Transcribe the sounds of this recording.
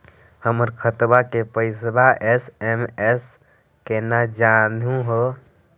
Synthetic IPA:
həməɾkʰət̪bakepəɪsbaʔesemes | kenad͡ʒanɦũɦo

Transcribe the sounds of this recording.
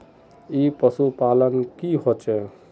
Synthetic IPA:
ipəsupalənkiɦot͡ʃɛ

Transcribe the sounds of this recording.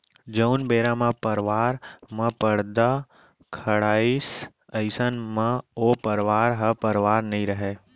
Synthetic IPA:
d͡ʒəʊnbeːɾãmãpəɾʋaːɾmə̃pəɽd̪a | kʰəɽaːis | əɪsənmãoːpəɾʋaːɾɦəpəɾʋaːɾnɐɦĩɾəɦeː

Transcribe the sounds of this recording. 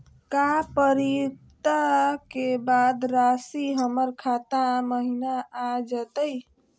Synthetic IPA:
kapəɾit̪akebad̪ɾasiɦəməɾkʰat̪ãməɦinaad͡ʒət̪əj

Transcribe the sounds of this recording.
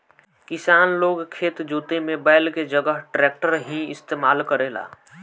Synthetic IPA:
kɪsaːnloːɡkʰeːt̪d͡ʒuːt̪emebaːɪlked͡ʒəɡəɦʈɾeːk̚ʈəɾɦĩɪst̪eːmaːlkəɾeːla̰ː

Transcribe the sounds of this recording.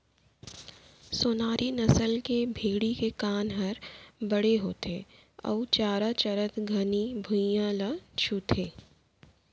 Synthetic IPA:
soːnaːɾʔinɐsəlkebʱeːɽikekaːnɦɐɾbɐɽeɦoːt̪ʰe | ɔ̰ːt͡ʃaːɾat͡ʃɐɾət̪ɡʱɐnibʱʊ̃jãlat͡ʃʰut̪ʰeː

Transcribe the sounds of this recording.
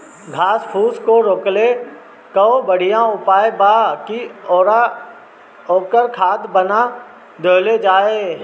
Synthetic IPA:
ɡʱaːspʰuːskoɾoːkle | kəobəɽ̤ɪjãʊpaːjbakioːɾa | oːkəɾkʰaːt̪bəna | d̪əːled͡ʒaːeː

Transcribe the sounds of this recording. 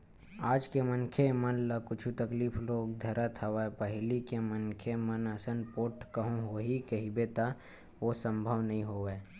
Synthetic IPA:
aːd͡ʒkemənkʰemənləkʊt͡ʃʰut̪əkliːploːɡd̪ʱɐɾət̪ʰɐʋapəɦlikemənkʰemənəsənpoːʈkəɦũɦoɦikɐɦibet̪a | ʋosə̃mbʱəʋnɐɦĩɦoːʋeː

